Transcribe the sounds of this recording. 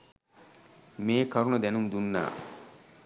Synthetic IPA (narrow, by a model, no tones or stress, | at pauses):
meːkɐɾunɐd̪ɛnumd̪unːa̰ː